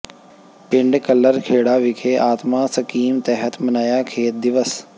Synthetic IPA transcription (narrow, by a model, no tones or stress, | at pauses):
pɪ̃ɳɖkɐlːəɾkʰeːɽaːʋɪkʰeːʔaːt̪maːsɐkiːmt̪ɛɦət̪mɐnaːjaːkʰeːt̪̚d̪ɪʋəs